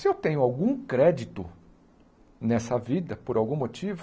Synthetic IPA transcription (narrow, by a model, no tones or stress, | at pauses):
sɪewt̪ẽɲʊawɡũkɾɛd͡ʒit̪ʊ | nɛsɐvid̪ɐpoɾawɡũmot͡ʃivʊ